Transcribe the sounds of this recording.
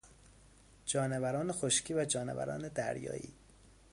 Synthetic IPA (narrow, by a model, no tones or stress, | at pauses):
d͡ʒɒːnevæɾɒːnexoʃcʰiːvæd͡ʒɒːnevæ̰ɾɒ̰ːne̞d̪æ̰ɾjɒ̰ːʔḭː